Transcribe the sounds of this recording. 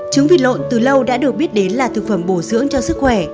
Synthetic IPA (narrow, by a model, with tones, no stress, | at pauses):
t͡ɕɨ˨˦ŋvḭ˧˨t̚lo̰˧˨nt̪ɨ˨˩lə˧wɗa̰ː˧˥ɗɨ˨˩ək̚ɓi˦˥ət̚ɗe˨˦nlaː˨˩t̪ʰɨ˨˩k̚fə˧˩mɓo˧˩zɨ̰˧˥əŋt͡ɕɔ˧sɨ˦˥k̚xwɛ˧˩